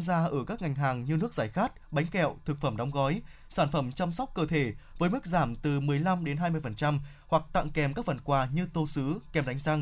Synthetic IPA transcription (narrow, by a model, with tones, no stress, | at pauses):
nzaː˧ʔəː˧˩kaː˦˥k̚ŋa˨˩jŋ̟ɦaː˨˩ŋɲɨ˧nɨ˦˥ək̚zaː˧˩jxaː˦˥t̚ɓa˨˦jŋ̟kɛ̰˧˨wt̪ʰɨ˨˩k̚fə˧˩mɗɔ˨˦wŋ͡mɣɔ˨˦j | saː˧˩nfə˧˩mt͡ɕa˧msa˦˥k͡p̚kəː˧t̪ʰe˧˩vəː˨˦jmɨ˦˥k̚zaː˧˩mt̪ɨ˨˩mɨ˨˩əjla˧mɗe˨˦nɦaː˧jmɨ˧əjfə˨˩nt͡ɕa˧m | hwa˨˩k̚t̪a̰ː˧˨ŋkɛ˨˩mkaː˦˥k̚fə˨˩nkwaː˨˩ɲɨ˧t̪o˧sɨ˨˦kɛ˨˩mɗa˨˦ŋ̟za˧ŋ